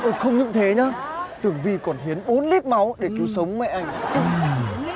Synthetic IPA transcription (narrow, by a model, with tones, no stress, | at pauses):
ʔo˧˩xə˧wŋ͡mɲɨ̰˧˥ŋt̪ʰe˨˦ɲaː˨˦t̪ɨ˨˩əŋvi˧˩kɔ˨˩nhi˨˦ənɓo˨˦nli˦˥t̚ma˨˦wɗe˧˩ki˨˦əwsə˨˦wŋ͡mmɛ̰˧˨ʔa˧jŋ̟˧